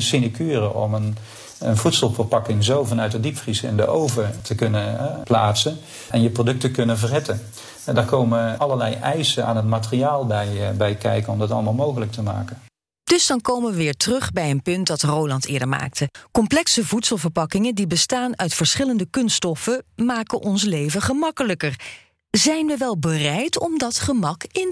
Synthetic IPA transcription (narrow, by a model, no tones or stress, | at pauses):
sinakʰyːrəʔɔ̰mən | ənvutsəlˠvəɹpɑkɪŋzowvɑnœɥt̚ədipfrisɪ̰ndə̰ʔowvəɹtəkɵnənplaːtsən | ɛnjəprodɵk̚təkɵnənvərɦɛtən | daːɹkowməʔɑləɹlɛjʔɛjsəna̰ːnɦətmaːtəriaːlˠbɛjbɛjkɛ̰jkənɔmdɑtɑ̰lˠmaːlˠmowɣələk̚təma̰ːkən | d̥ɵzdɑnkowməʋəʋɪːɹtərɵχbɛjənpɵntdɑtrowlɑntɪːɹdəɹma̰ːk̚tʰəkɔmplɛksəvutsəlˠvəɹpɑkɪŋəndibəstaːnœɥtfəɹsχɪləndəkɵnstɔfəmaːkəʔɔnslejvəχəmɑkələkər | zɛjnʋəʋɛlˠbərɛjtɔmdɑtχəmɑkɪn